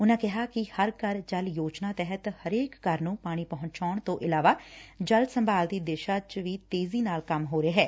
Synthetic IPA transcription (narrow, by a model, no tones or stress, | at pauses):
ʊnãːkɪɦaːkɪhəɾkəɾd͡ʒəljoːt͡ʃnaːt̪ɛɦət̪həɾeːkːəɾnũːpaːɽ̃iːpəɦʊɲt͡ʃaːɳt̪õːʔɪlaːʋaːd͡ʒəlsəmbaːld̪iːd̪eːʃaːt͡ʃʋiːt̪eːziːnaːlkəmɦoːɾeːɦɛː